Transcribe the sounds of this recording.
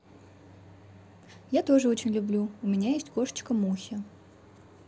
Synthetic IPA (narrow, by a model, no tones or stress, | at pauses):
jat̪o̞ʐɨot͡ɕɪnʲlʲʊblʲuʊmʲɪnʲajesʲtʲko̞ʂə̥t͡ɕkəmuxʲɪ